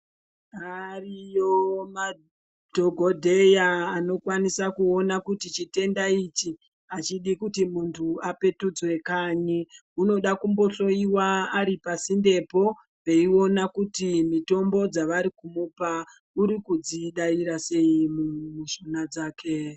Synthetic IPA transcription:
arijoma | dʱoɡʱo̞dʱejaːno̞kwanisakuonakutit͡ʃite̞ndait͡ʃi | at͡ʃiɗikutimuntʰuape̞tud͡zwe̞kaɲiuno̞ɗakumbo̞ɬo̞iwaːɾipasinde̞po̞ | peio̞nakutimito̞mbo̞d͡zaʋaɾikumupa | uɾikud͡ziɗaiɾase̞imumuʃo̞nad͡zaːkʰe̞

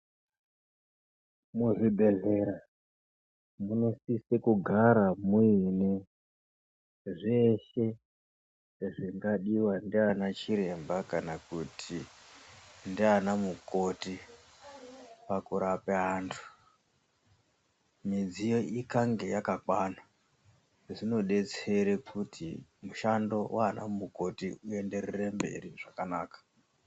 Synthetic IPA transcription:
muʐibʱe̞ɮe̞ɾa | muno̞sisekuɡʱaɾamuine | ʐe̞ʃe̞ | ʐiŋɡaɗiwandianat͡ʃiɾe̞mbakanakutʰi | ndianamuko̞ti | pakuɾapeaːntʰu̥ | mid͡zijo̞ʔikaŋɡe̞jakakwana | ʐino̞ɗe̞t͡se̞ɾekʰutʰḭmuʃando̞wʔaːna̰muko̞tiue̞nde̞ɾerembe̞̰ɾiʐakanaːkḁ

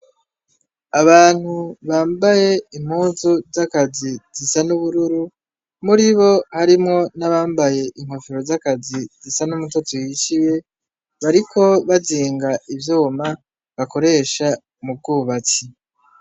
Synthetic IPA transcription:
aβaːn̥huβaːmbaje̞im̥huːnzuzakaziz̥isanuβuɾuɾu | muɾiβo̞haɾimŋo̞naβaːmbaje̞ʔiŋ̥hofiɾozakazizisanumutotojiʃiwe̞ | βaɾikʰo̞βaziːŋɡaʔivjoːma | βako̞ɾe̞ːʃa | mub̚ɡuːβat͡si

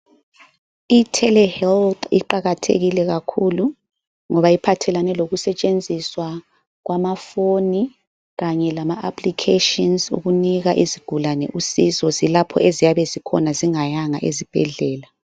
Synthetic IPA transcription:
itʰɛlɛhɛlt̪ḭǃaɣatʰḛɣilɛɣakʰulu | ŋɔβaipʰatʰɛlanɛloɣusɛt͡ʃʼend͡zʱiswa | ɣwamafoni | ɣaɲɛlamaʔapʰlikʰeʃɔnzṵɣuniɣaʔiziɡ̥ʱulanɛ̰ʔusizɔzilapʰɔ̰ʔezijaβɛzikʰɔ̰naziŋajaŋaʔezib̥ʱɛɮɛːla

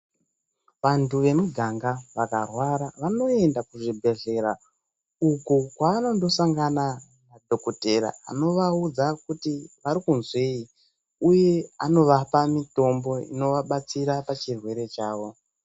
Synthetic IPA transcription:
ʋantuʋe̞muɡʱaŋɡaʋakarwaɾaʋano̞e̞ndakuʐibʱe̞ɮe̞ɾa | ukukwaːno̞ndo̞saŋɡana | nadʱo̞kote̞ra̰a̰no̞ʋaud͡zakutiʋaɾikunzwei | uje̞ano̞ʋapamito̞mbo̞ḭno̞ʋaɓat͡siɾapat͡ʃirwe̞ɾe̞t͡ʃaːʋo̞

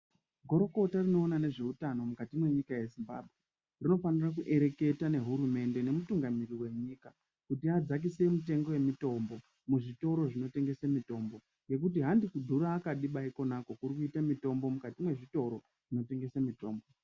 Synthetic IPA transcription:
ɡʱo̞ɾo̞ko̞tarino̞ːnane̞ʐe̞utano̞mukatimwe̞ɲikajezimba̰bʱɣe̞ | rino̞fanirak̬uʔe̞ɾe̞ke̞tane̞ɦuɾume̞nde̞ne̞mutuŋɡamiriwe̞ɲiːka | kutiad͡zak̬ise̞mute̞ŋɡo̞je̞mito̞mbo̞ | muʐito̞ɾo̞ʐino̞te̞ŋɡe̞samito̞ːmbo̞ | ŋɡe̞k̬utiɦandikudʱuɾaːkaɗiɓaiko̞nako̞kuɾikuitamito̞mbo̞mukatimwe̞ʐito̞ɾo̞ | ʐ̥ino̞teŋɡe̞samito̞ːmbo̞

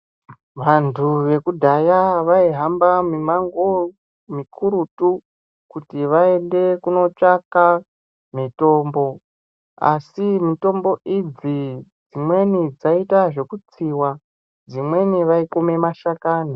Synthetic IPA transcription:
ʋantʰuʋe̞kudʱajaʋaiɦambamimaŋɡo | mikʰuɾutu | kutiʋaende̞kuno̞t͡ʂaka | mito̞ːmbo̞ | a̰simito̞mbo̞ʔid͡zid͡zimwe̞nid͡zaitaʐe̞kut͡siwa | d͡zimwe̞niʋaikome̞maʃakaːni

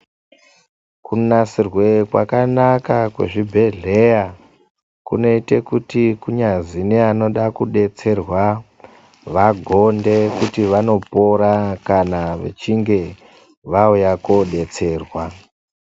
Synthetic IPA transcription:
kunasirwe̞kwa̰kanakakwe̞̰ʐibʱe̞ɮe̞ja | kuno̞ite̞kutikuɲazineano̞ɗakuɗe̞t͡se̞rwa | ʋaɡʱo̞nde̞kutiʋano̞po̞ɾakanaʋḛt͡ʃiŋɡe̞ | ʋaujako̞ɗe̞t͡se̞ːrwa

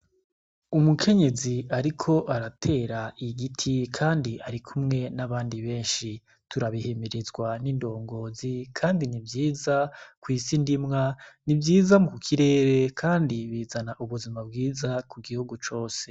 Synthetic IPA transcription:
umukʰe̞ɲe̞ziaɾikʰo̞ʔaɾatʰe̞ːɾaʔiɡitʰikʰaːndiʔaɾikʰumŋe̞naβaːndiβe̞ːnʃi | tuɾaβihe̞meɾezɡwanindo̞ːŋɡo̞ːzikʰaːndinivjiːzakwiːsindimŋanibjiːzamukukʰiɾe̞ːɾe̞kʰaːndiβiːzanaʔuβuzimab̚ɡiːzakuɡihuɡut͡ʃo̞ːse̞

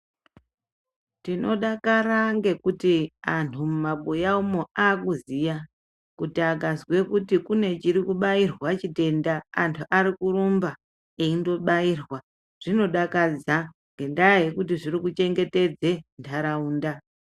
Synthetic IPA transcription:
tino̞ɗakaraŋɡe̞kutiantʰumumaɓojaumoaːkuzija | kutiaɡʱanzwe̞kutikune̞t͡ʃiɾikuɓairwat͡ʃite̞nda̰ːntʰuʔaɾikurumba | eindo̞ɓairwa | ʐ̥ino̞ɗakad͡za | ŋɡe̞ndaɦekutiʐirikut͡ʃe̞ŋɡe̞te̞d͡ze̞ntʰaɾauːnda

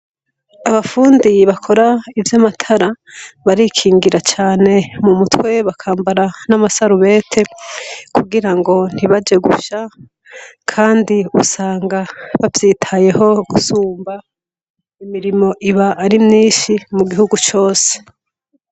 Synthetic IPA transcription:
aβafuːndiβakʰo̞ɾaivjamatʰaɾaβaɾikʰiːŋɡiɾat͡ʃaːne̞mumutwe̞βakʰaːmbaɾanamasaɾuβe̞ːtʰe̞kʰuɡiɾaŋɡo̞n̥hiβad͡ʒe̞ɡṵʃa | kʰaːndiusaːŋɡaβavjiːtʰaje̞ho̞ɡ̥usuːmba | imiɾimo̞ʔiβaʔːɾimɲiːʃimuɡihuɡut͡ʃo̞ːse̥

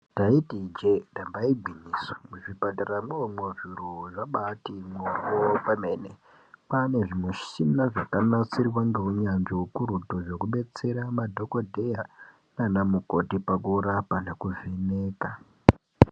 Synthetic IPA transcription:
taitid͡ʒedambaibʱiɲiswḁmuʐipataɾamweomweʐiɾoʐaɓatimokopamene | pane̞ʐimweʃinaʐakanat͡sirwaŋɡeuɲanʐiwukuɾutoʐo̞kuɓe̞t͡se̞ɾamadʱo̞kodʱe̞ja | nanamuko̞tipakuɾapanakuvineːka

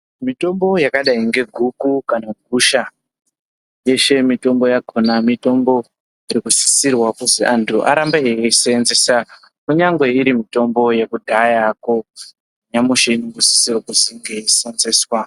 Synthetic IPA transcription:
mito̞mbo̞jakaɗaiŋɡe̞ɡʱukukanaɡʱuʃa | je̞ʃe̞mito̞mbo̞jaɡʱonamito̞mbo̞ | iɾikusi̥sirwakuziʔantʰuʔa̰ɾambaeesenzesa | kuɲaŋɡwe̞iɾimito̞mbo̞je̞kudʱajako | ɲamuʃeiniɡusi̥sirwakuziŋɡe̞sanzeswa

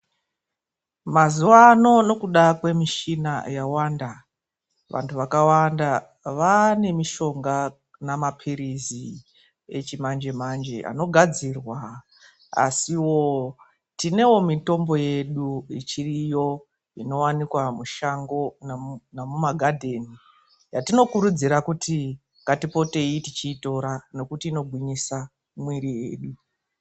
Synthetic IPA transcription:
mazuwano̞no̞kuɗakwe̞miʃinajawanda | ʋʔa̰ntʰuʋakawanda | ʋane̞miʃo̞ŋɡa | namapʰiɾizi | et͡ʃimand͡ʒe̞mand͡ʒe̞a̰no̞ɡʱad͡zirwa | a̰siwo̞ | tine̞wo̞mito̞mbo̞je̞ɗuit͡ʃirijo̞ | ino̞wanikwamuʃaŋɡo̞nanamumaɡʱadʱe̞ːni | jatino̞kuɾud͡ziɾakuti | ŋɡatipo̞te̞itit͡ʃiːto̞ɾano̞kutiːno̞ɡʱwiɲisa | mwiɾijḛːɗu

